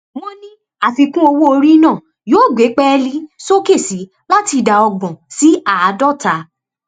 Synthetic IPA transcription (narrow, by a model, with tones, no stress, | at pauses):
w̃ɔ̃˦nĩ˦ | a˨fi˧kũ˦o˧wo˦o˧ɾi˦nãː˦˨ | joː˦˨ɡe˨˦k͡pɛ˦˧li˦so˦ke˦˨si˨˦ | la˦ti˧da˨˧ɔ˧ɡ͡bɔ̃˨si˨˦a˦˨˧dɔ˦˨ta˨˦